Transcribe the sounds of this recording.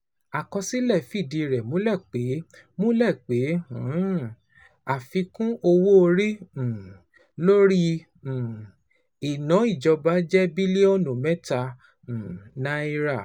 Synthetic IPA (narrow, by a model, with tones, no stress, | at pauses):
a˨kɔ̃˧si˦lɛ˦˨fi˦˨di˨˧ɾɛ˨mũ˨˦lɛ˦˨k͡pe˨˦mũ˦lɛ˦˨k͡pẽ˨˦˨ | a˨fi˧kũ˦ʔo˧wo˦o˧ɾĩ˦˨ | lo˦ɾĩ˦˨ | i˨nã˨˦i˦˨d͡ʒɔ˧ba˦d͡ʒɛ˦bi˦le˦ɔ˦nũ˨mɛ̃˦tã˧˨ | nã˨˦i˧ɾa˦˨